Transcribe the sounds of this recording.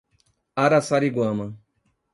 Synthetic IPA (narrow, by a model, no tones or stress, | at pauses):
aɾasaɾiɡwãmɐ̃